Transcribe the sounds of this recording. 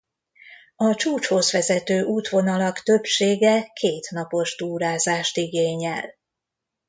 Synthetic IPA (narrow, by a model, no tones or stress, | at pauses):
ɒt͡ʃuːt͡ʃho̞zʋɛzɛt̪øːʔuːt̪ʋo̞nɒlɒkt̪ø̞pʃeːɡɛkʰeːt̪nɒpo̞ʒd̪uːɾaːzaːʃt̪iɡeːɲɛ̰l